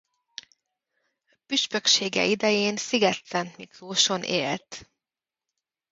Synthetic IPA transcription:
pyʃpø̞kʃeːɡɛ̰ʔid̪ɛjeːnsiɡɛt̪sɛnt̪mikroːʃo̞nʔḛːlt̪

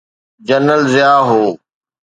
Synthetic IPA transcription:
d͡ʑənəlzɪjaːɦoː

